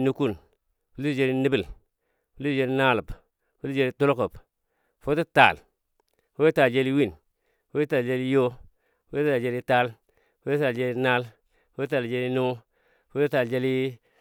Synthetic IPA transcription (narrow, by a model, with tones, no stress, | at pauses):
nu˦ku˦˨n | fu˨˦i˦si˨d͡ʒe˦ɾi˦ni˦bi˦˨l | fu˨li˦si˨d͡ʒe˦li˦na˦lu˨b | fu˦i˦d͡ʒe˦li˦to˦lo˦ko˨p | fo˦tu˦ta̰˨l | fo˦i˦ta˨ld͡ʒe˦li˦wi˦˨n | fo˦ta˨ld͡ʒe˦li˦jo˦ | fo˦ta˨ld͡ʒe˦li˦ta˦l | fo˦tta˨ld͡ʒe˦li˦na˦l | o˦ta˨ld͡ʒe˦li˦nu˦ | fo˦tu˦ta˨ld͡ʒe˦li˦